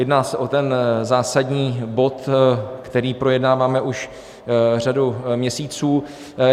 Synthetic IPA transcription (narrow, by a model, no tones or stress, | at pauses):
jɛdnaːsɛʔo̞t̪ɛnzaːsadɲiːbo̞t̪kt̪ɛɾiːpɾo̞jɛdnaːvaːmɛʔuʃ | r̝adumɲɛsiːt͡suː